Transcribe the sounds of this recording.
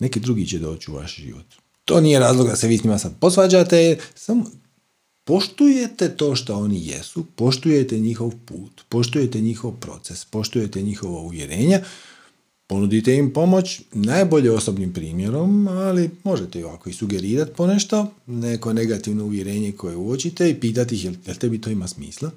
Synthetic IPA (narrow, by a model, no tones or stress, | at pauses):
ne̞kid̪ɾuɡit͡ɕed̪o̞ːt͡ɕiuʋa̰ʃʒḭʋo̰t̪ː | o̞ːniːjeɾaːzlˠoɡd̪aseʋiːsnɲimasad̪̚po̞sʋaːd͡ʑat̪esamo | po̞ʃt̪ujet̪et̪o̞ːʃt̪oo̞nijḛsupo̞ʃt̪uje̞t̪eɲixo̞ʋpuːt̪po̞ʃt̪uje̞t̪e̞ɲixo̞ʋpɾo̞̰t̪sespo̞ʃt̪uje̞t̪e̞ɲixo̞ʋauʋje̞̰ɾe̞ːɲa | po̞nud̪it̪eimpo̞mot͡ɕnaːjbo̞ʎeo̞so̞bnimpɾḭːmje̞ɾo̞malimo̞ʒet̪eoʋako̞isuɡe̞ɾiːɾat̪i̥poneʃt̪o̞neko̞ne̞ɡat̪iʋno̞uʋje̞ɾe̞ːɲe̞kʰo̞jeuot͡ɕit̪eipiːt̪at̪ixejelt̪ebit̪o̞ːimasmḭːslˠa